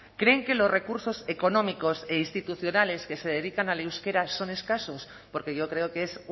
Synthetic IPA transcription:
kɾe̞ŋke̞lo̞zre̞kuɾso̞se̞ko̞nõmiko̞se̞inst̪it̪uθjo̞nale̞ske̞se̞ð̞e̞ðikanalewske̞ɾaso̞ne̞skaso̞s | poɾke̞ʝo̞kɾe̞okees

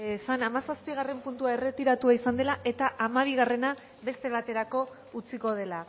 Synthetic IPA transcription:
esanamasaspiɣ̞are̞mpunt̪uaere̞t̪iɾat̪uaisand̪e̞laʔe̞t̪aʔamaβ̞iɣ̞are̞na | βe̞st̪e̞βat̪e̞ɾako̞ | ut͡siko̞ð̞e̞la

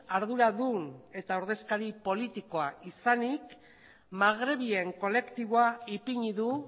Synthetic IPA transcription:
aɾðuɾaðune̞t̪auɾðe̞skaɾipo̞lit̪iko̞aisanik | maɣ̞ɾe̞β̞ie̞ŋko̞le̞kt̪iβoaipiɲiðu

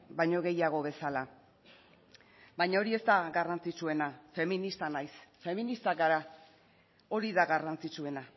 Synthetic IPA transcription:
bajɲo̞ɣ̞e̞jaɣ̞o̞βe̞sala | bajɲao̞ɾie̞st̪aɡarant͡sit͡sue̞nafe̞minist̪anajsfe̞minist̪akaɾa | o̞ɾiðaɣarant͡sit͡sue̞na

